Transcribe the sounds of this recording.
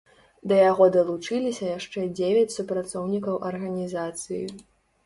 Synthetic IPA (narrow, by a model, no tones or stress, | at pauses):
d̪ɐjaɣɔd̪ɐlˠut͡ʂɨlʲisʲɐjaʂt͡ʂɛd͡zʲevʲɐt͡sʲsupɾat̪sɔwnʲikɐwʔɐrɣɐnʲizat̪sɨjḭ